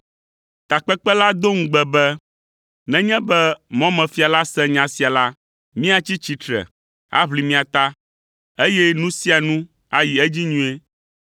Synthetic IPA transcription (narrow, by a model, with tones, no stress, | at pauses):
t̪a˨k͡pɛ˦k͡pɛ˦la˦d̪o˦ŋ̩̃˦ɡ͡bɛ˨bɛ˦ | nɛ̃˦ɲɛ̃˦bɛ˦mɔ̃˦mɛ̃˨fi˦a˨la˦sɛ̃˦ɲã˨si˨˦a˨la˦ | mĩ˦a˦t͡ɕi˦t͡ɕi˨t̪ɾɛ̰˨ | a̰˦βli˨mĩ˦a˨t̪a˦ | e˦jɛ˦nũ˦si˦a˨nũ˦ | a˦ji˨ɛ˦d͡ʑi˦ɲũ˦e˦